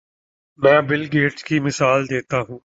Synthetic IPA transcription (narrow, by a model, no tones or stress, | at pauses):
mɛ̃ːbɪlɡeːʈkiːmɪsaːld̪eːt̪aːɦũː